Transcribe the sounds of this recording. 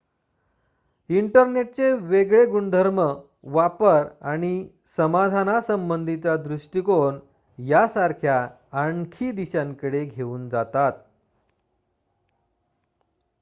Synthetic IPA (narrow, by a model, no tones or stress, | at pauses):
iɳʈəɾneʈ̚t͡seʋeɡɭeɡuɳd̪ʱəɾmə | ʋapəɾaɽ̃i | səmad̪ʱanasəmbənd̪ʱit͡sad̪ɾuʂʈikoɳ | jasaɾkʰjaː | ɳkʰiːd̪iɕãŋkəɽeɡʱeuːnd͡zat̪at̪̚